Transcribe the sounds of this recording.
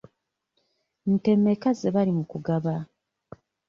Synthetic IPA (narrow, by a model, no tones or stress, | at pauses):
n̩te̞mːe̞kazeβalimukuɡaβa